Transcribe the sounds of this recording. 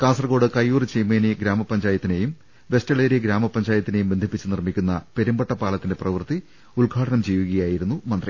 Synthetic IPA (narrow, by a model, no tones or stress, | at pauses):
kaːsɐrɡo̞ːɽɨkɐjːuːrt͡ɕejmeːniɡɾaːmɐpːɐɲd͡ʑaːjɐt̪ːine̞jum | ʋe̞stɐɭeːɾiɡɾaːmɐpːɐɲd͡ʑaːjɐt̪ːinejumbend̪ʱipːit͡ɕːɨnirmikʲːunːɐpe̞ɾumbɐʈːɐpːaːɭɐt̪ːinde̞prɐʋɨrt̪i | uɭɡʱaːʈɐnɐmd͡ʑijʋuɣɐjaːjiɾunːumɐnd̪ri